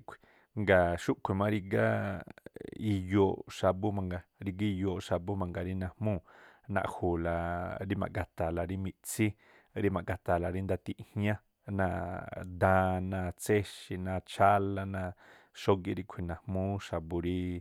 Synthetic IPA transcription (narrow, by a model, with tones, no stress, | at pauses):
kʰʷi̥˨ | ŋɡa˨ʃu˦ʔkʷʰi˨mã˦ɾi˧ɡa˦ | i˧jo˧˨ʃa˧bu˦mã˧ŋɡa˧ɾi˧ɡi˦˧jo˧˨ʃa˧bu˦mã˨ŋɡa˨ɾi˦nã˨mũ˦nã̰˧ʔhu˨la˨ɾi˦mã̰˨ɡa˨t̪a˨la˨ɾi˧mĩ˧˨t͡si˦ | ɾi˧mã˨ʔɡa˨t̪a˨la˨ɾi˧˦nd̪a˧t̪i˧ʔhɲã˦ | nã˧d̪ã˧nã˧t͡se˦ʃi˧nã˧t͡ʃʰa˦la˧nã˧ | ʃo˦ɡi˧ɾi˧kʷʰi˨nã˨hmũ˦ʃa˧bu˧ɾi˧